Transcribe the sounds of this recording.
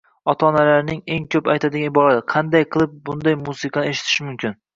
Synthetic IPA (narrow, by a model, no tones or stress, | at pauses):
ɒt̪ʰaɒːnalaɾnɪŋe̞ŋkʰʲɵpajt̪ʰad̪ɪɡʲanɪbɒɾad̪ɪqʰɑnd̪ajqʰɨlˠɪp̚bʊnd̪ajmusɨqʰɑneʃɪ̥t̪ʰɪ̥ʃɪmʊmkʲɪn